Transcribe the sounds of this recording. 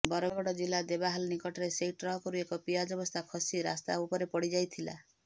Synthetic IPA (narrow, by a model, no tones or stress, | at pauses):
bɔɾɔbɔɽɔd͡ʒilːad̪ebaɦalnikɔʈʰɔɾesejʈɾɔɦɔkɔɾuekɔpijad͡ʒɔbɔst̪ʰakʰɔsiɾa̰st̪aupɔɾepɔɽid͡ʒajt̪ʰila̰